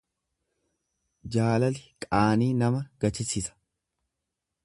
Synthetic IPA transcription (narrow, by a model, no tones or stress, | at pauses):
d͡ʒaːlɐlɪkʼaːniːnɐmɐɡ̥ɐt͡ʃɪsɪsɐ̥